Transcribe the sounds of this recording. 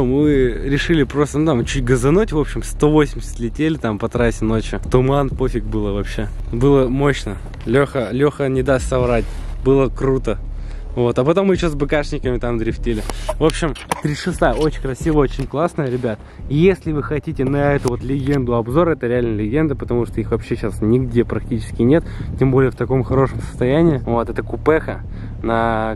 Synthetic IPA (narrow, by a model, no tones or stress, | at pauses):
mɨɾʲɪʂɨlʲɪpɾo̞st̪ənut̪amt͡ɕutʲɡəzɨnutʲvo̞pɕɪmst̪o̞vosʲɪmʲɪsʲɪ̥tʲlʲɪtʲelʲɪt̪ampɐt̪ɾasʲɪno̞t͡ɕjʊt̪ʊmanpofʲɪk̚bɨlˠəvɐpɕebɨlˠəmo̞ɕnə | lʲoxəlʲoxənʲɪd̪asʲt̪ʲsɐvɾat̚ʲ | bɨlˠəkɾut̪ə | vo̞t̪ɐpɐt̪omːɨjɪɕːozbɨkaʂnʲɪkəmʲɪt̪amd̪ɾʲɪftʲilʲɪvo̞pɕːɪmt̪ɾʲit̪ʂɨst̪ajəo̞t͡ɕɪnʲkɾɐsʲivəo̞t͡ɕɪnʲklˠasnəjəɾʲɪbʲat̪ | jesʲlʲɪvɨxɐtʲitʲɪnɐɛt̪ʊvo̞t̪lʲɪɡʲe̞nd̪ʊɐbzo̞ɾɛt̪əɾʲɪalʲnəjəlʲɪɡʲe̞nd̪əpət̪ɐmuʂt̪oixvɐpɕːeɕasnʲɪɡdʲe̞pɾɐk̚tʲit͡ɕɪ̥skʲɪnʲe̞t̪tʲembo̞lʲɪjəft̪ɐko̞mxɐɾo̞ʂəmsə̥st̪ɐjænʲɪːvo̞t̪ɛt̪əkʊpɛxə̰ | nɐ